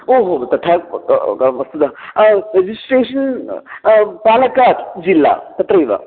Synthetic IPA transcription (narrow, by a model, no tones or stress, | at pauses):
oɦot̪ɐt̪ʰa | ɐsud̪ʱaɾed͡ʑisʈɾeːʃɐn | paːnɐkat̪d͡ʑilːa̰t̪ɐt̪ɾɐjʋa̰